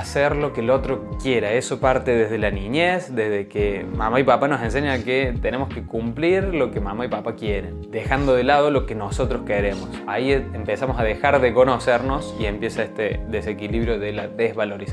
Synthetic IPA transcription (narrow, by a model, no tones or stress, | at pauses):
aseɾlo̞kelo̞t̪ɾokjeɾaeso̞paɾt̪eðezð̞e̞laniɲesd̪ezðekema̰maipapanosẽns̬eɲaket̪enemoskekumpliɾlo̞kemamaipapakjeɾend̪exand̪o̞ðelað̞o̞lo̞keno̞so̞t̪ɾoskeɾemosaiempesamosaðexaɾðeko̞no̞seɾno̞sie̞mpje̞saeht̪eðesekiliβɾjoðelaðezβalo̞ɾis